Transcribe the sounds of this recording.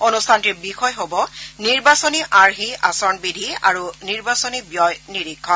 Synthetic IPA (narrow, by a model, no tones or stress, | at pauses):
onustʰantibixɔjɦobɔniɹbasoniʔaɹɦia̰sɔɹnbidʱia̰ɹuniɹbasɔnibjɔjniɹikʰːɔn